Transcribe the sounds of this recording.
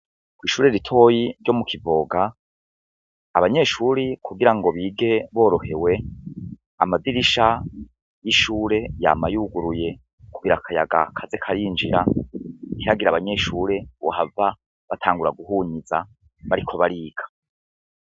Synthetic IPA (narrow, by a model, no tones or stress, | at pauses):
kwiːʃuːɾe̞ɾitʰo̞ːjiɾɟo̞mukʰivo̞ːɡa | aβaɲe̞ːʃuɾikʰuɡiɾaŋɡo̞βiːɡe̞βo̞ːɾo̞he̞we̞ | amadiɾiʃa | jiʃuːɾe̞ja̰ːmajuːɡuɾuje̞ | kuɡiɾakʰaja̰ɡa̰kʰazekʰaɾind͡ʒiɾa | hiɾaɡiɾaβaɲe̞ʃuːɾe̞βohava | βatʰaːŋɡuɾa̰ɡuɦuːɲiza̰ | βaɾikʰo̞βaɾiːɡ̥ḁ